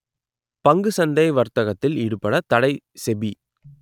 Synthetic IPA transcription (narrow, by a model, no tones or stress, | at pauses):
pɐŋɡɯsɐnd̪ɐɪʋɐɾt̪ɐɣɐt̪ːɪlɪɽɯpɐɽɐt̪ɐɽɐɪ | sɛbi